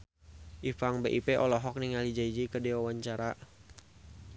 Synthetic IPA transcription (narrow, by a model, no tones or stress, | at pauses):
ʔifaŋbeʔipeʔɔlɔɦɔk̚niŋalid͡ʒaid͡ʒikədɛwawaɲt͡ʃaɾa